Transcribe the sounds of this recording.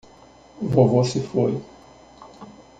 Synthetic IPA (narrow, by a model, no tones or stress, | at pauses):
vovosɪfoj